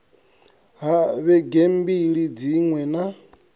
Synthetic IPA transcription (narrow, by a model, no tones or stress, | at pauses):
ɦaβɛɡembiɺid͡ziŋwɛna